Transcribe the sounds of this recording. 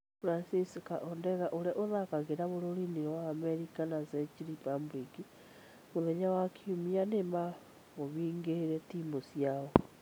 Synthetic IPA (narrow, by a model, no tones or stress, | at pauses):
fɾansisikaʔɔndɛɣaʔoɾɛʔoðakaɣeɾaβoɾoɾiniwaːmɛɾikanazɛt͡ʃiɾipambɾiki | βoðɛɲawakʰiumianema | oβiːŋɡeeɾɛtimbosjaɔ